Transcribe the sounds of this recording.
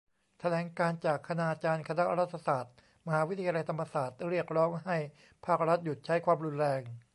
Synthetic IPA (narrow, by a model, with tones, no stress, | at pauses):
t̪ʰa˧lɛː˩˦ŋkaː˧nt͡ɕaː˨˩kʰːa˧naː˧˩t͡ɕaː˧nkʰa˧na˦˥ʔɾa˦˥t̪ʰːa˧saː˨˩t̪̚ | ma˧haː˩˦wi˦˥t̪ʰa˧ja˧la˧jt̪ʰa˧mːa˧saː˨˩t̪̚ɾi˥˩ək̚ɾɔː˦˥ŋɦa˥˩j | pʰaː˥˩k̚ɾa˦˥t̪̚ju˨˩t̪̚t͡ɕʰa˦˥jkʰwaː˧mɾu˧nɾɛː˧ŋ